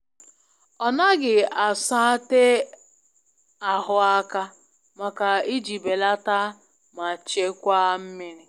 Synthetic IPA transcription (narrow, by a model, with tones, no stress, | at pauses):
ɔ˨na˦ɡɪ˨a˨sa˦te˦ | a˨ɦʊ˨a˦ka˦ | ma˨ka˨i˦d͡ʒi˨be˨la˦ta˦ | ma˨t͡ʃe˦kʷa˦m̩˦mi˦ɾi˨